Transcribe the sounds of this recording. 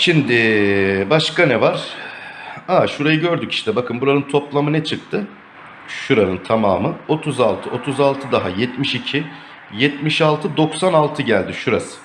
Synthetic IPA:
ʃimd̪ɪbaʃkanɛvaɾ̥ | aʃuɾajɯɟøɾd̪yci̥ʃt̪ʰɛbakʰɯnbuɾanɯnt̪ʰo̞plˠamɯnɛt͡ʃʰɯk̚t̪ʰɯ | ʃuɾanɯnt̪ʰama̰ːmɯo̞t̪ʰuzalˠt̪ʰɯʔo̞t̪ʰuzalˠt̪ʰɯd̪aɦajɛt̪miʃicʰi | jɛt̪miʃalˠt̪ʰɯd̪o̞ksanalˠt̪ʰɯɟælʲd̪ɪʃuɾasɯ̥

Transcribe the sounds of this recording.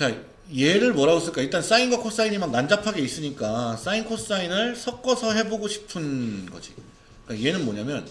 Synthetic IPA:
t͡ɕa | je̞ɾɯɭmʌɾaɡos͈ɯɭk͈aiɭt͈ans͈ainɡwakʰos͈aiɲimannand͡ʑapʰaɡe̞is͈ɯɲik͈as͈ainkʰos͈ainɯɭsʰʌk̚k͈ʌsʰʌɦe̞boɡoɕʰi̥pʰɯnɡʌ̰d͡ʑi | ik͈aje̞nɯnmoɲamjʌn

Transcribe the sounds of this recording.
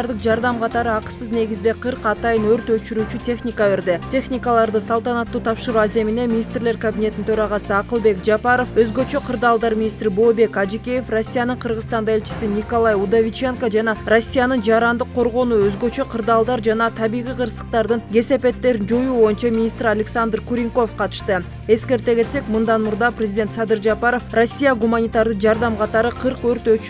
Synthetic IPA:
ɾd̪əqd͡ʒɑɾd̪ɑmqʰɑt̪ɑɾɯɑqə̥sɯzne̞ɡʲizd̪e̞qʰɨɾqɑt̪ɑjɯnøɾt̪øt͡ʃyɾyːt͡ʃyt̪ʲʰe̞χnʲikave̞ɾd̪etʲʰe̞χnʲikalˠɑɾd̪ɯsɑlˠt̪ɑnɑt̪ːuːt̪ʰɑpʃɯɾuaze̞mine̞mʲinʲist̪rle̞ɾkabʲinʲe̞t̪int̪ʰøɾɑʁɑsɯɑqɯlˠbe̞kd͡ʒɑpɑɾo̞føzɡø̞t͡ʃø̞qʰɯɾd̪ɑːlˠd̪ɑɾmʲinʲist̪ɾibo̞ːbe̞kɑd͡ʒikʲe̞jefro̞sʲːijanɯɴqʰəɾʁəzt̪ɑnd̪ɑe̞lʲt͡ʃɪ̥sinʲikolˠɑjud̪avʲit͡ʃe̞ŋkod͡ʒɑnɑro̞sʲːijanɯnd͡ʒɑɾɑnd̪ɯqʰːo̞ɾʁo̞nuøzɡø̞t͡ʃø̞qʰɯɾd̪ɑːlˠd̪ɑɾd͡ʒɑnɑt̪ʰɑβijʁijqʰɯɾsə̥q̚t̪ɑɾd̪ɯnɡʲe̞se̞pe̞t̪ːe̞ɾind͡ʒo̞juːbo̞junt͡ʃɑmʲinʲist̪ɾalʲeksand̪rkuɾʲiŋko̞fqʰɑt̪ɯ̥ʃt̪ɯ | e̞ske̞ɾt̪e̞ɡe̞t̪se̞kmɨnd̪ɑnmuɾd̪ɑprʲezʲid̪ʲet̪sɑd̪ɨɾd͡ʒɑpɑɾo̞fro̞sʲːijaɡumanʲit̪ɑɾd̪ɨqd͡ʒɑɾd̪ɑmqʰɑt̪ɑɾɯqʰɯɾqøɾt̪øt͡ʃ

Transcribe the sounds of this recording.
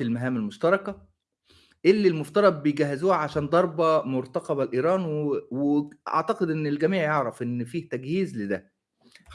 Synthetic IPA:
elmæɦæːmælmoʃt̪ɑɾˤɑkæ | ʔelːilmoft̪ɑɾˤɑd̪̚bejɡæɦːezuːhaʕaʃæːnd̪ˤɑɾˤbɑmoɾt̪ɑqɑbælʔiːɾˤɑːnwweʔɑ̰ʕt̪ɑqed̪ʔenːelɡæmiːʕjeʕɾˤɑfʔenːfiːht̪æɡhiːzled̪æ

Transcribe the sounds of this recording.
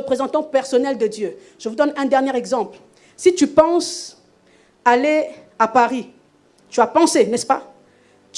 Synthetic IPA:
əpχezɑ̃t̪ɑ̃pɛʁsɔnɛld̪əd̪jø | ʒ̥əvud̪ɔnɛ̃d̪ɛʁnjeʁɛɡzɑ̃pl | sit̪ypɑ̃s | ale | apaʁi | t̪yapɑ̃senɛspa | t̪

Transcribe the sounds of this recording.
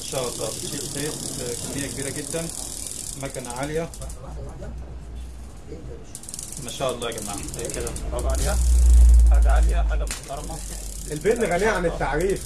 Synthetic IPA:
mæʃæːʔɑlˤːɑ̰ːfiʃiːʔʔxeːɾkænːejːækebiːɾæɡed̪ːæn | mækænʕaljæ | mæʃæːʔɑlˤːɑːɡæma̰ːʕatæjːked̪æˤɑb̪ʕaljæ | ɑɾɡʕaljæħaɡæmoxt̪ɑɾˤɑmɑʔelbet̪ːɣæniːʕanet̪ːaʕɾiːf

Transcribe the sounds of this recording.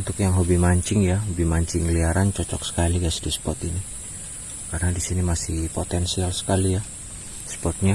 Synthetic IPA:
unt̪ʊkjaŋɦobihmaɲt͡ʃɪŋjaɦobihmaɲt͡ʃɪŋliaɾant͡ʃɔt͡ʃɔksə̥kaliɡajsdispɔt̪ini | karnadisinimasipot̪ɛnsialsə̥kalija | spɔt̪̚ɲa

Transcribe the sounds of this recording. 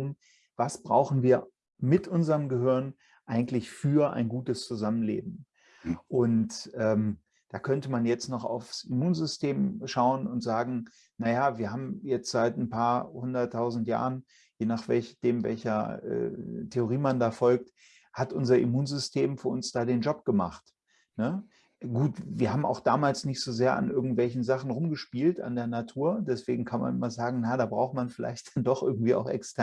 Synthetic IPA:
ʊm | vasb̥ʁa̰ʊxn̩viːɐ | mɪtʔʊnzəʁəmɡəɦʏɐn | ʔaɪɡŋ̩tlɪçfyːɐʔa̰ɪnɡuːtəst͡suzamənlḛːbm̩ | ʔʊntʔɛːm | d̥aːkʰœntəmanjɛt͡stnɔχa̰ʊfsimuːnzʏstʰeːmʃaʊənʊntz̥aːɡŋ̩ | najaːviːɐɦaːbm̩jɛt͡stz̥aɪtn̩pʰaːɐhʊndɐtʰːaʊzn̩tja̰ːʁən | jeːnaːχv̥ɛ̰lçd̥eːmvɛ̰lçɐʔɛ̰ːtʰeoʁ̞iːmandaːfɔlk̚t | hatʔʊnzɐʔḭmuːnzʏstʰeːmfyːɐʔʊnsd̥aːdeːnd͡ʒɔp̚ɡ̥əma̰χt | nə | ɡuːtviːɐɦaːbm̩a̰ʊxd̥a̰ːmaːlsnɪçtz̥ozeːɐʔa̰nʔɪɐɡŋ̩tv̥ɛlçn̩zaχn̩ʁʊmɡəʃpiːlta̰ndeːɐnatʰuːɐdɛsv̥eːɡŋ̩kʰanma̰nʔɪmɐzaːɡŋ̩najadaːbʁaʊxmanfɪla̰ɪçtd̥andɔχʔɪɐɡŋ̩tv̥iːaʊxʔɛ̰kstʰɛɐ

